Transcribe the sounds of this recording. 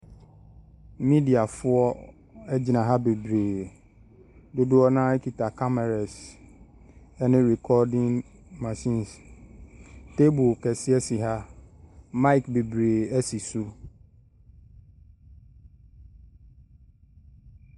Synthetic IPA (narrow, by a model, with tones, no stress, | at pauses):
mĩ˦di˨a˨fʊ˦ɔ˦ | ɛ˦d͡ʑi˨nã˨ɦa˦be˨bɾeː˨ | dʊ˦dʊ˦ɔ˦nã˦kʰi˨tʰa˨kʰa˦mɛ˨ɾɛ˨s | ɛ˦nɪ̃˦ɾɛ˨kʰɔ˦dɪ̃˦ŋ | ma˨sĩ˦ns | tʰe˦bu˨kʰɛ˨sɪ˦ɛ˦si˨ɦa˦ | mã˦i˨kbe˨bɾeː˨ɛ˦si˨su˦